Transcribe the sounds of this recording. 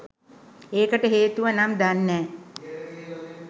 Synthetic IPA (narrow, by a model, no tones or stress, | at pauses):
eːkəʈəɦeːt̪uʋənamd̪anːɛː